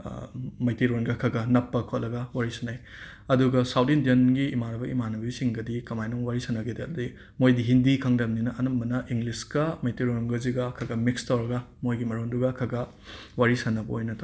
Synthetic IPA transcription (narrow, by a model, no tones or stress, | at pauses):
mɐjtiɾonɡɐkʰɐɡɐnɐpːɐkʰotlɐɡɐwaɾisɐnajɐduɡɐsawdindenɡiːmaɾɐbɐʔḭmanɐbisiŋɡɐdikɐmajnoŋwaɾisɐnɐɡʰedeɐdudi | mojdiɦindikʰɐŋdɐmninɐʔɐnɐmbɐnɐʔiŋɡliskɐmɐjtiɾonɡɐziɡɐkʰɐɡɐmikstaɾɐɡɐmojɡimɐɾonduɡɐkʰɐɡɐ | waɾisɐnːɐbɐojnɐtʰo